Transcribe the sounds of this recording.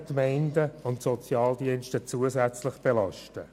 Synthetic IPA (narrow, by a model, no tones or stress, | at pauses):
kmæɪndəʊntsɔt͡sjɑːldiənʃtət͡suəzæt͡slɪχb̥elɑʃtə